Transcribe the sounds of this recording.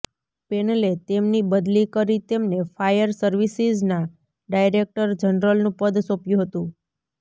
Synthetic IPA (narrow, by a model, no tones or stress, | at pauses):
penəlet̪emnibəd̪likəɾit̪emnefajəɾsəɾʋisizna | ɖajɾek̚ʈəɾd͡ʒənɾəlnũpəd̪sopjũɦət̪ũ